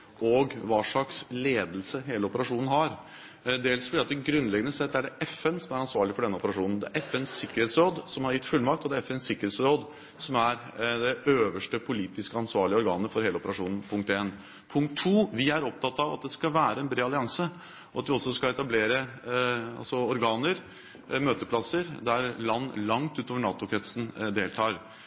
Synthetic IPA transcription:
ɔɡʋɑːʂɭɑksleːd̪lsəɦeːləɔpəɾɑʂuːnn̩ɦɑɾ | d̪eːlsfɔɖiːɑt̪d̪ɛɡɾʉnːlɛɡənəsɛt̪ːæɖɛɛfɛnsɔmæɾɑnsʋɑːɭɪfɔɖɛnːəɔpəɾɑʂuːnn̩d̪ɛæɾʔɛfɛnsɪkːəɾeːt̪sɾoːd̪sɔmhɑɾjɪt̪ːfʉlmɑk̚t̪ɔd̪æɛfɛɛnsɪkəɾheːt̪sɾoːd̪ | sɔmæɾd̪ɛøːʋəʂʈəpʰʊliːt̪ɪskəɑnsʋɑːɭɪəɔɾɡɑ̰ːnəfɔɾheːlɔpəɾɑʂuːnən̩pʰʊŋk̚t̪eːn | pʰʊŋk̚t̪ʰːuːʋɪæɾɔp̚t̪ʰɑt̪ːɑʋɑt̪̚d̪ɛskɑʋæːɾəɛnbɾeːɑlɪɑŋsə | ɔɑt̪dʋɪɔsːɔskɑɛt̪ɑbleːɾə | ɑ̰lsɔɔɾɡɑːnəɾ | møːt̪əpʰlɑsəɾd̪æɾlɑnːlɑŋt̪ʉːt̪oːʋəɳɑːt̪ʊkʰɾɛt̪sn̩d̪eːlt̪ʰɑːɾ

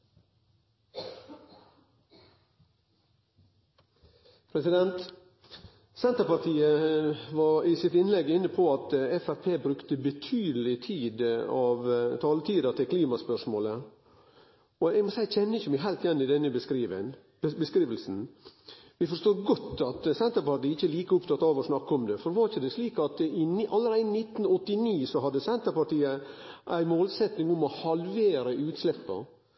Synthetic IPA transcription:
pʰɾɛsɪd̪ɛnt̪ | sɛnt̪əpɑɾt̪ʰiːəʋɑɾɪsɪt̪ɪnlɛɡɪnːəpʰɔɑt̪ɛfæɾpʰeːbɾʉkt̪əbət̪ʰyːd̪əlɪt̪ʰiːd̪ɑʋt̪ʰɑːlt̪ʰiːd̪ɑt̪ʰɪlkʰliːmɑspœʂmoːlə | ɔɛɡmɔsæɪçɛnːəɪçːəmæɪɦæɪlt̪jɛnːɪd̪ɛnːəbəskɾiːʋə̰n | bəskɾiːʋəlsn̩ | ʋɪfɔʂt̪oːɾɡɔt̪ːɑt̪sɛnt̪əɾpɑʈ̪iːəɪçːəliːkəʊpt̪ʰɑt̪ːɑːʋɔsnɑkːɔmd̪ɛfɔɾʋɑɾɪçːəd̪ɛsliːkɑt̪ɪʔɑlːəɾæɪnɪt̪ːn̩ɔt̪ːɪniːsɔɦɑd̪ːəsɛnt̪əɾpɑʈiːə | ʔæɪmoːlsɛt̪nɪŋʊmɔhɑlʋeːɾəʉːt̪slɛpːɑ̰

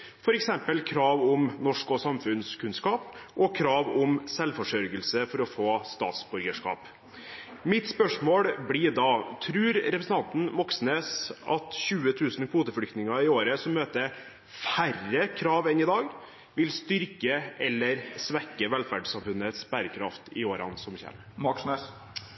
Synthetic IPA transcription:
fɔɾɛksɛmpəlkʰɾɑːʋʊmnɔʂkɔsɑmfʉnskʰʉnskɑːpʔɔkʰɾɑːʋʊmsɛlfɔʂœɾɡəlsəfɔɾɔfoːst̪ɑ̰ːt̪sbʉɾɡəʂkɑ̰ːp | mɪt̪spœʂmoːɽbɽɪd̪ɑt̪ʰɾʉːɾɾɛpɾəsn̩ɑnt̪n̩mɔksneːsʔɑt̪ɕʉːət̪ʰʉːsn̩kʰuːt̪əfɽʏkt̪nɪŋɑɪoːɾəsɔmːøːt̪ə | færəkʰɾɑːʋɛnɪd̪ɑːɡ | ʋɪlst̪ʏɾkəʔɛlːəɾsʋɛkːəʋɛlfæɖsɑmfʉnət̪sb̥æːɾəkʰɾɑft̪ɪoːɾɑ̰nsɔmçɛ̰ːn | mɑksnes

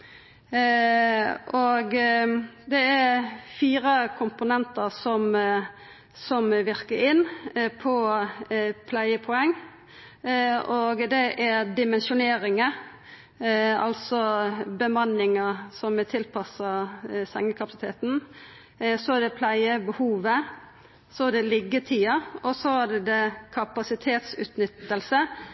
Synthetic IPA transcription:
oɡ | d̪ɛæɾfiːɾəkʰʊmpʊnɛnt̪əɾsɔm | sɔmʋɪɾkəɾɪnːpʰɔ | pʰlæɪəpʰʊɛŋː | oɡd̪ɛʔæɾd̪ɪmɛnʃʊneːɾɪŋə | ɑ̰lsɔbəmɑnːɪŋəsɔmt̪ʰɪlpʰɑsɑsɛŋːəkʰɑpɑsɪt̪ʰeːt̪n | sɔæd̪ɛpʰlæɪəbəhuːʋə | sɔæd̪ɛlɪɡːət̪ʰiːɑɔsɔæɖɛd̪ɛkʰɑpɑsɪt̪ʰeːt̪sʉ̰ːt̪nʏt̪ːəlsə

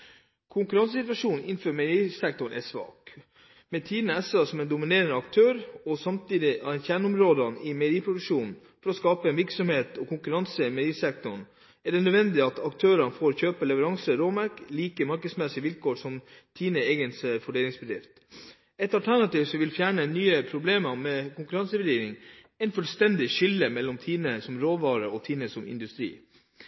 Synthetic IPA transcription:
kʰʊŋkʉɾɑnsəsɪt̪ʋɑʂuːnɪnføːɾmɛɾiːsɛk̚t̪ʊɳʔɛ̰sʋɑ̰ːk | mɛt̪ʰiːd̪nəɛsɑsɔmɛnd̪ʊmɪneːɾənəɑk̚t̪ʰøːɾɔsɑmt̪ʰiːd̪ɪnçæɳʊmɾoːd̪ɑnɪmɛɾiːpʰɾʊd̪ʉkʂuːnn̩ | fɔɾɔskɑːpəɛnʋɪɾksɔmheːt̪ɔkʰʊŋkʉɾɑnsəmɛɾiːsɛk̚t̪ʊɳ | æɖɛnœd̪ʋɛnd̪ɪɑt̪ʰɑkt̪ʰøːɾɑnfoːɾçøːpəlɛʋəɾɑŋsəɾoːmæɾkliːkəmɑɾkəsmɛsɪʋɪlkoːɾʂɔmt̪ʰiːnəeːɡənsfɔɖeːlɪŋsbəd̪ɾɪft̪ | ɛt̪ɑlt̪ʰæɳɑt̪iːʋsɔʋɪlfjæːɳənyːəpʰɾʊbleːmɑmɛkʊŋkʉɾɑnsəʋɛɖiːɾɪŋ | ɛɪnfœlst̪ɛnd̪ɪʂʏlːəmɛlːɔmt̪ʰiːnəsɔmɾoːʋɑːɾəɔt̪ʰiːnəsɔmɪ̰nd̪ʉst̪ɾḭː

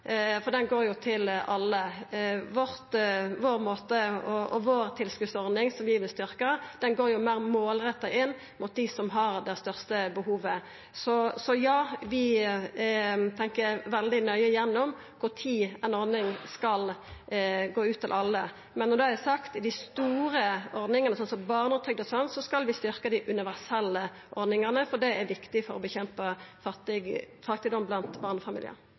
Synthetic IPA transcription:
fɔɾd̪ɛnɡoːɾjʊt̪ʰɪlɑlːəʋɔɾt̪ʋoːɾmoːt̪əɔɔ̰ʋoːɾt̪ʰɪlskʉːd̪sɔɾd̪nɪŋsɔmʋɪʋɪlst̪ʏɾkəd̪̥ɛnɡoːɾjʊmæːɾmoːlɾɛt̪ːɑʔɪnː | mʊt̪̚d̪ɪsɔmɦɑɾd̪ɛst̪œʁst̪əbəhuːʋə | sɔsɔjɑːʋɪ | t̪ʰɛŋkəʋɛld̪ɪnœʏəjɛnːɔm | kʰʊɾt̪ʰiːɛnɔɾd̪nɪŋskɑl | ɡoːʉːt̪ʰːɪlʔɑlːə | mɛnːɔd̪ʉæsɑkt̪ɪd̪ɪst̪uːɾəɔɾd̪nɪŋənəsɔnsɔmbɑːʁnət̪ʰʏɡ̚d̪əsɔnsɔskɑlʋɪst̪ʏɾkəd̪ɪʔʉnɪʋæʁsɛlːə | ʔɔɾd̪nɪŋəʁnəfɔd̪ɖɛæɾʋɪkt̪ɪfɔɾɔbəçɛmpəfɑt̪ːɪɡ | fɑʁt̪ɪd̪ɔmːblɑnt̪bɑːʁnəfɑmḭlɪə̰n

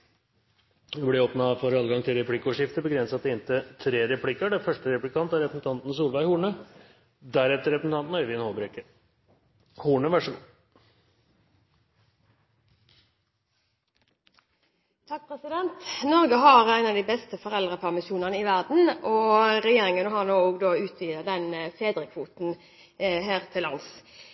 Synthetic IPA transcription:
ɛblɪɾoːpnɑfɔɾɑːləɡɑŋt̪ʰɪlɾɛpʰlɪkːəoːʂɪft̪əbəɡɾɛnsɑt̪ɛɪnt̪ət̪ʰɾeːɾɛpʰlɪkːəɖɛfœʂʈəɾɛplɪkʰɑnt̪æɾɛpəsn̩t̪ʰɑnt̪n̩əsuːlʋæɪhuːɳə | d̪æɾɛt̪ːəɾɛpəsn̩t̪ɑnt̪n̩œʏʋɪːnhoːbɾekə | huːɳəʋæʂɔɡṵː | t̪ʰɑk̚pʰʁɛsɪd̪ɛnt̪nɔʁɡəɦɑʁæɪnɑʋd̪iːbɛst̪əfɔʁɛlʁəpʰæʁmɪʃuːnənəɪʋæʁd̪n̩ʔɔʁɛjeːɾɪŋənəɦɑʁnoːoːɡd̪oːʉːt̪ʰʋiːd̪əd̪ɛnfeːd̪ɾəkʰʋuːt̪n̩ | ɦeːʁt̪ʰɪlːɑns

